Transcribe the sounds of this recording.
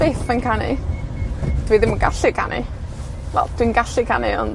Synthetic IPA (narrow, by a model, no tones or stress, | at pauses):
eːθənkʰanɪ̰ | d̥wiðɪmuɡa̰ɬɨkʰa̰nʔɪ̰ | vɛ̰lˠd̥winɡaɬɨkʰanɪɔ̰n